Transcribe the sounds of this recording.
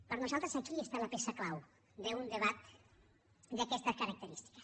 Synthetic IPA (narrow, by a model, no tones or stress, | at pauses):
pəɾnuzalˠt̪ɾəsakiest̪alɐpesəklaw | d̪əund̪əβat̪ | d̪əkɛst̪əkəɾək̚t̪əɾist̪i̥kə̥s